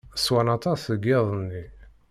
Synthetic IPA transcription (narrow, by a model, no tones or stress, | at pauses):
swanɑt̪ˤɑsəɡeðˤənːi